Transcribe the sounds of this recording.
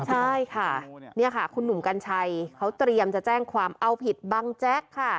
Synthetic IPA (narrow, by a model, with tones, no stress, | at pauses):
t͡ɕʰa˥˩jkʰa˥˩ni˥˩ɐkʰa˥˩kʰu˧nːu˨˩˦mka˧nt͡ɕʰa˧jkʰa˦˥wt̪ɾi˧əmt͡ɕa˨˩t͡ɕɛː˥˩ŋkʰwaː˧mʔa˧wpʰi˨˩t̪̚baː˧ŋt͡ɕɛ˦˥kʰːa˥˩